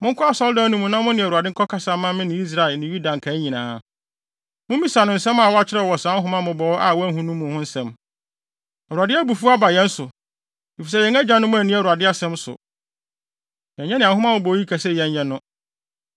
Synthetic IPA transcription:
mʊ̃˦ŋkʰʊ˦a˦sɔ˦ldɔ̃˦nũ˦mũ˨˦nã˦mʊ̃˦nɪ̃˨u˨a˨dɪ˦ŋ̩˦kʰɔ˦kʰa˦sa˨˦mã˦mɪ̃˦nɪ̃˨˦i˦s̬ɾa˨ɪ˨nɪ̃˨ju˦dã˨ŋ̩˨kʰa˨˦ɲĩ˨nãː˨˦ | mʊ̃˦mĩ˦sa˨nʊ̃˨n̩˨sɛ̃˦ma˨wɔ˦a˦t͡ɕʰɪ˦ɾɛ˦˨ɔ˨sã˨˦n˦ɦʊ̃˦mã˦mʊ̃˨bɔ˨ɔ˦ʔa˨wɔ˦æ˦ɦũ˦nũ˦mːʊ̃˨hʊ̃˦n̩˦sɛ̃˦m | ɛ˨u˨a˨dɪ˦a˦bu˨fu˦a˦ba˨jɛ̃˦n̩˦sʊ˨ | i˨fi˨sɛ˦˨jɛ̃˨ŋæ˦d͡ʑã˦nʊ̃˦mʊ̃˦æ˨nĩ˦˨u˨a˨dɪ˦a˦sɛ̃˦msʊ̰˨ | jɛ̃˨ɲɛ̃˦nɪ̃˨ã˨ɦʊ˦ã˦wʊ̃˨˦bɔ˨˦ji˦kʰa˨sɛ˦˨jɛ̃˨ɲɲɛ̃˦nʊ̃˦

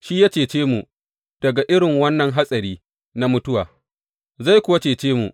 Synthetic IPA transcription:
ʃi˦ja˦t͡ʃeː˨t͡ʃeː˦mu˨ | d̥ɐ˨ɡa˨ʔɪ˦ɽɪ˨ŋwɐ˦nːɐ˨ŋɦa˦sʼɐ˨ɾiː˦ | na˦mʊ˦tʊ˦waː˨ | za˦˨jkʷʊ˦wa˦t͡ʃeː˨t͡ʃeː˦mṵ˨ʔ

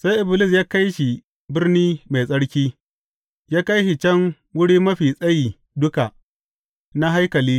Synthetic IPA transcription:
sa˦jʔɪ˨bɪ˨lɪ˦˨s̬jaː˦ka˦jʃi˨ | bɪ˦rniː˦ma˨sʼɐ˦ɽkʲiː˦ | jaː˦ka˦jʃi˨t͡ʃɐ˦ŋ | wʊ˦ɽiː˦mɐ˦ɸiː˨sʼɐ˦ji˨ | dʊ˦ka˨ | na˦ɦa˦jkɐ˨liː˦

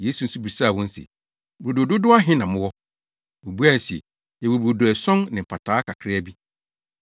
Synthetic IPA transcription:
je˦su˨n̩˦su˦bi˨sa˦˨wɔ̃˦n̩˦sɛ̰˨ | bɾo˨do˨do˦dʊ˦a˦ɦɪ̃˦nã˨mʊ̃˦wɔ˦ | wo˨bu˦a˦n̩˨sɛ̰˨ | ɛ˨wo˨bɾo˨do˨æ˨sɔ̃˦ŋnɪ̃˨pʰa˨tʰaː˨˦kʰa˨kʰɾɪ˦æ˦bi˦

